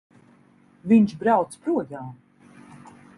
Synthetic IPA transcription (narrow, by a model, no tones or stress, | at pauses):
viɲʃbɾawt̪spɾuɔjaːm